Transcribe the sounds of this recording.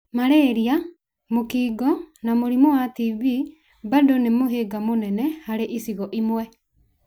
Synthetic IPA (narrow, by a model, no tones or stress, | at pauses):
maɾeɾia | mokiːɡɔnamoɾimowatiβi | badonemoɦeɡamonɛnɛhaɾeʔisiɣɔʔimwɛ